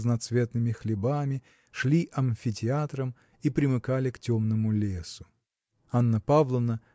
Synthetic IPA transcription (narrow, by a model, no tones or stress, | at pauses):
znɐt̪svʲe̞t̪nɨmʲɪxlʲɪbamʲɪ | ʂlʲiʔɐmfʲɪtʲɪat̪ɾəm | ipɾʲɪmɨkalʲɪktʲomnɨmʊlʲesʊ̥ | anːəpavlˠəvnə